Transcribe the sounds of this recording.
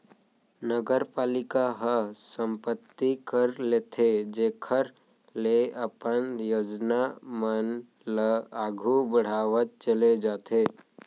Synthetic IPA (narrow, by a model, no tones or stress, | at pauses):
nəɡəɾpaːlɪkaɦəsə̃mpət̪ːikəɾleːt̪ʰed͡ʒekʰəɾ | leəpənjoːd͡ʒnamən | ləaːɡʱubəɽ̤aːʋət̪̚t͡ʃəled͡ʒaːt̪ʰe